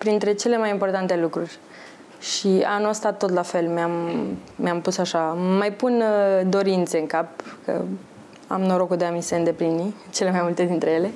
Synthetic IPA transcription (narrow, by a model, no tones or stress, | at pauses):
pɾint̪ɾe̞t͡ʃe̞le̞majimpo̞rt̪ant̪e̞lukɾurʲ | ʃianuəst̪at̪ːo̞t̪lafe̞lmeammeampusaʃamajpund̪o̞ɾint̪se̞ɨŋkap̚kə̰ | a̰mnoɾo̞kud̪eamise̞ɨnd̪e̞pɾini | t͡ʃe̞le̞majmult̪e̞d̪int̪ɾe̞je̞le̞